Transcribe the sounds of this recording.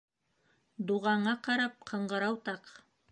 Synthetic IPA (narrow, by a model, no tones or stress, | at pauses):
d̪uʁɑɴɑqɑɾɑp̚qʰɤ̆ɴɢɤ̆ɾɑwt̪ɑq